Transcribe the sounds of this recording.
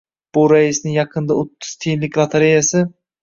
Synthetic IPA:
b̥ʊɾaɪsnɪŋjɑqʰɨnd̪aot̪ʰːʊ̥z̥t̪ʰenlɪkʲlˠat̪ʰaɾejasɪ

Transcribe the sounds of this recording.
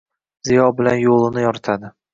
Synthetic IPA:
z̥ijɒbɪlanjolˠɪnɪjɒɾt̪ʰad̪ɪ

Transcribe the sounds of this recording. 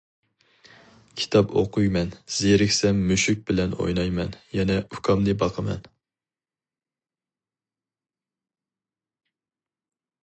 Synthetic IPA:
kʲʰi̥t̪ʰɑpo̰qujmɛnz̥eɾɪkʲsɛmːyʃyk̚ʲbɪlɛno̰jnɑjmɛnjɛnɛukʰɑmnɨbɑqʰəmɛ̰n

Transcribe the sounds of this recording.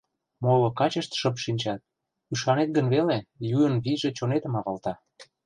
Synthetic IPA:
molokɑt͡ɕəʃt̪ʃəp̬ʃinʲt͡ɕɑt̪̚ | yʃɑnet̪̚ɡənβelejuənβijʒet͡ɕonet̪ə̆mɑβɑlt̪ɑ

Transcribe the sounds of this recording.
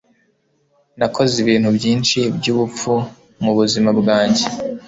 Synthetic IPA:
nakʰo̞ziβiːn̥hubɟiːnʃibɟuβup͡fu | muβuzimabɡaːɲɟe

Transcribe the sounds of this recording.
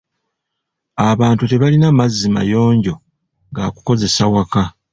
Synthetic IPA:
aβaːntute̞βalinamazːima̰jo̞ːɲɟo̞ | ŋɡa̰ːku̥ko̞ze̞sawaka

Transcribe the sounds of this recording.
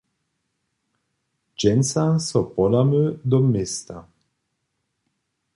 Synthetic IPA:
d͡ʒɛnsasɔpɔd̪amød̪ɔmɛst̪a̰

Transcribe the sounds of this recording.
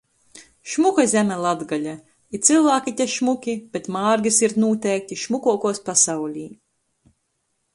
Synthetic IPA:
ʃmukazʲɛmʲɛlˠad̪ɡalʲa | it̪silˠvæːkit̪ʲɛʃmukʲib̥et̪maːɾɡʲisiɾnuːt̪ʲɛjk̚t̪ʲiʃmukuɔkuɔspasawlʲiː

